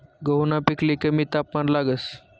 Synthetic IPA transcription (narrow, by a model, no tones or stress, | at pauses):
ɡəwnapiklikəmiːt̪apmanlaɡəs